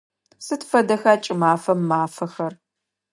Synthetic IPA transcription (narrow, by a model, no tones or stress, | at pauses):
sɨtfɐdɐxaːt͡ʃʼɪmaːfɐmːaːfɐxɐr